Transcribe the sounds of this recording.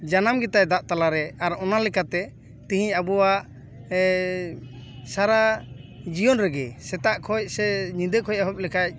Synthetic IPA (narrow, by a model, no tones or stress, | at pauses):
d͡ʒanamɡɛt̪ajd̪aʔt̪alaɾɛaɾɔnalɛkat̪ɛ | t̪ĩɦĩabɔwaʔ | saɾad͡ʒijɔnɾɛɡɛsɛt̪aʔkʰɔc̚sɛɲĩd̪əkʰɔjaɦɔp̚lɛkac̚